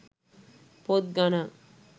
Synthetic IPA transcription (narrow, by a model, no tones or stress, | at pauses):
pot̪̚ɡana